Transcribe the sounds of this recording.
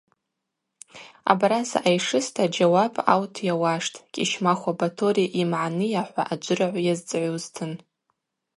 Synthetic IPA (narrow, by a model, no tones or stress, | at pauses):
a̰baɾasa̰ʔajʂɨstʰad͡ʒawabʼa̰wtʰjawaʂtʼkʲʼiʃmaχʷabatʰo̞ɾiʔimʕanɨjaħʷa̰ʔad͡ʒʷʼɨraʕʷjazd͡zʼʕʷoztʰɨn